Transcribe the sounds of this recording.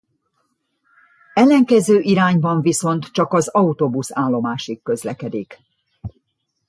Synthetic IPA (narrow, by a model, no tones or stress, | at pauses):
ɛlːɛŋkɛzøːʔiɾaːɲbɒɱviso̞nt̪t͡ʃɒkɒzɒut̪obusaːlːo̞maːʃikːø̞zlɛkɛd̪ik